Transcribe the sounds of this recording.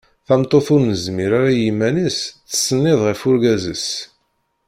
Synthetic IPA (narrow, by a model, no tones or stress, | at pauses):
θæmt̪ˤːoθʊɾnəzmiɾaɾajimænisθə̥sːənːɪðˤʁəfʊɾɡæzə̰s